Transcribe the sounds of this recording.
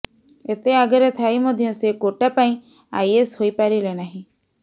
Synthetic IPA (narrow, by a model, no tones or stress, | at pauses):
et̪eaɡɔɾet̪ʰaimɔd̪ʱjɔ̃sekoʈapaĩ | a̰jesɦoipaɾilenaɦĩ